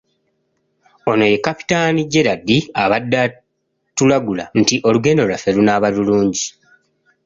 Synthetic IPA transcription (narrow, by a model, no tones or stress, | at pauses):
o̞no̞je̞kapi̥taːniɟe̞ɾadːiaβadːa | tulaɡulan̩tiʔo̞luɡe̞nolafelunaβaluluːɲɟi